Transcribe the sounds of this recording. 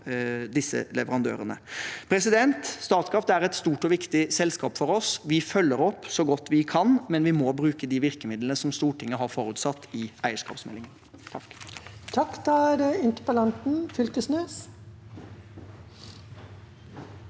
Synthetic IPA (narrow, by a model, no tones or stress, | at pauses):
d̪ɪsːə̰lɛʋəɾɑnd̪ø̰ːɾənəpʰɾɛsɪd̪ɛnt̪st̪ɑːt̪skʰɾɑft̪əæɾɛt̪st̪uːʈɔʋɪkt̪ɪsɛlskɑːpfɔɾɔsʋɪfœlːəɾɔpːsɔɡɔt̪ːʋɪkʰɑnmɛnʋɪmɔbɾʉːkəd̪iʋɪɾkəmɪd̪lənəsɔmst̪uːʈʰɪŋːəɦɑɾfɔɾʉːt̪sɑt̪ːɪæɪəʂkɑ̰ːpsmɛ̰lːɪŋənʰ | t̪ʰɑkːd̪ɑæɖɛɪnt̪əpəlɑnt̪n̩fʏlt̪əsnøːs